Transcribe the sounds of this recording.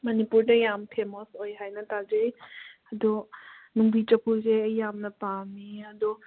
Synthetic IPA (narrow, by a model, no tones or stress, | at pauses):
mɐnipuɾdɐjampʰemosojɦajnɐtazejɐdɔnuŋbʱit͡ʃɐpʰuzeɐjːamnɐpamiɐdu